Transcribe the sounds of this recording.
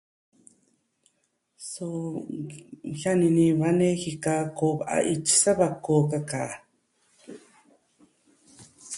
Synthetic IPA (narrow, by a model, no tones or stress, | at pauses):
su | hjaniniβanexikakobaʔa̰ʔit͡ʃi̥saβakokaka